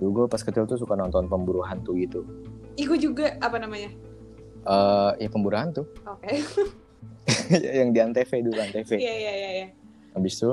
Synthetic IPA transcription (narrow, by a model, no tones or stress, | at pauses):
duɡopaskət̪ɪlt̪us̬ukanɔnt̪ɔnpəmbuɾuɦant̪uit̪u | iɡud͡ʒuɡaapanamaɲa | ʔəjapəmbuɾuɦant̪ʊhoke | ja̰jaŋdiant̪efedukant̪efejajajaja | ʔabɪst̪u